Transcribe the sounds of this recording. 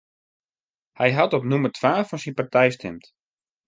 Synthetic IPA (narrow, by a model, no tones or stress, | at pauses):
hɛjɦatɔpnumərtʰʋaːfɔnsinpartʰɛjstʰɛmt